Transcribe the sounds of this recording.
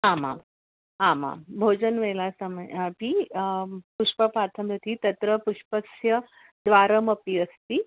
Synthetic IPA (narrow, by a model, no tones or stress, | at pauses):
ɦama̰ | ɦamã̰mbʱod͡ʒənʋelasaməjpiː | puʂpəpat̪ʰəmjət̪ʰit̪ɐt̪ɾəpuʂpəksjə | d̪ʋaɾəməpiːəst̪i